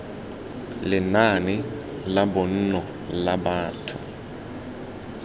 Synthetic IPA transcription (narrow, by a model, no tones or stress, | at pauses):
lɪnanɪ | labɔn̩nɔ | labaːtʰʊ̰